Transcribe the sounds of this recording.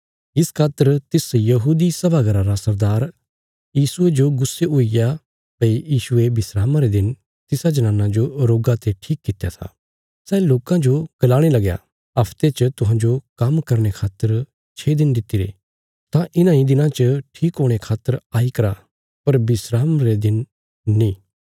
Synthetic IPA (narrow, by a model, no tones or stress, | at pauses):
ɪskʰaːt̪ːəɾt̪ɪsjɐɦuːd̪isɐbʱaɡɐɾaɾasɐɾd̪aːɾ | jiːsʊed͡ʒoɡʊsːeʊɪja | pɐijiːsʊebɪsɾaːmãɾed̪ɪn | t̪ɪsad͡ʒɐnãːnːãd͡ʒoɾoːɡat̪eʈʰiːkːɪt̪eja̰t̪ʰa̰ | sɛːloːkãd͡ʒoɡ̥ɐlaːɽ̃elɐɡja̰ | ɐpʰt̪et͡ʃət̪ʊɦãːd͡ʒokɐmkɐɾɽ̃ekʰaːt̪ːəɾ | t͡ʃʰeːd̪ɪnd̪ɪt̪ːiɾḛ | t̪ãʔɪnãĩd̪ɪnãt͡ʃəʈʰiːkɦoːɽ̃ekʰaːt̪ːəɾaːikɐɾa | pɐɾbɪsɾaːmɾed̪ɪn | nĩː